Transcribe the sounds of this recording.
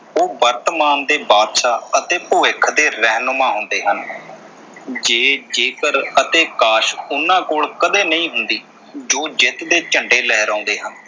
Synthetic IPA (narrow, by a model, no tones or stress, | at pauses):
oːbəɾt̪əmaːnd̪eːbaːd̪ʃaːət̪eːpʊʋɪkʰːd̪eːɾɛːɦnʊmãːɦʊnd̪eːɦən | d͡ʒeːd͡ʒeːkəɾət̪eːkaːʃʊnãːkoːɭkəd̪eːnəĩːɦʊnd̪iː | d͡ʒoːd͡ʒɪt̪d̪eːt͡ʃəɳɖeːlɛːɾãːnd̪eːɦən